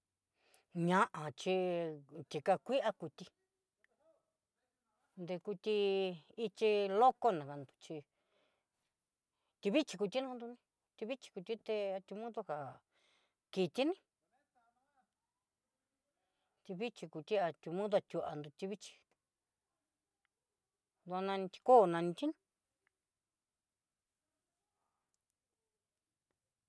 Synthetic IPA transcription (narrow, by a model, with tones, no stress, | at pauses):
ɲã˧ʔã˨t͡ʃi˧t̪ʲi˧ka˧kʷi˦ʔa˧ku˨t̪i˧ | nd̪e˧ku˧t̪i˧i˧t͡ʃi˧lo˦ko˦nã˨ka˧˨nd̪u̥˧t͡ʃi˧ | t̪i˧βi˦t͡ʃi˧ku˧t̪i˦nã˦˧nd̪u˧nĩ˧ | t̪i˧βi˦t͡ʃi̥˧ku˧t̪i˦t̪e˧a˧t̪ʲu˧mũ˦ðo˧ka˨ | ki˧t̪i˦nĩ˧ | t̪i˧βi˦t͡ʃi˧ku˨t̪ʲi˦a˧t̪ʲu˧mũ˦ða˧˨t̪ʲu˧ʔa̰˨nd̪u˧t̪i˧βi˦t͡ʃi̥˧ | d̪u˧a˧nã˧nĩ˧t̪i̥˧ko˦˨nã˧nĩ˧t̪i˦nĩ